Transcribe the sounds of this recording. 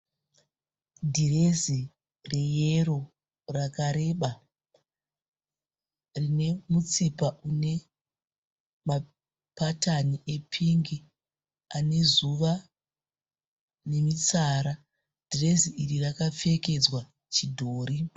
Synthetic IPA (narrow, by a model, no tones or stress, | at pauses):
dʱirezi | re̞jero̞ | rakaɾe̞ɓa | rine̞mut͡sipaʔune̞ | ma | pataniepʰiŋɡi | ane̞zuʋa | ne̞mit͡saːɾa | d̥ʱire̞ziʔirirakafe̞ke̞d͡zwa | t͡ʃidʱoːɾi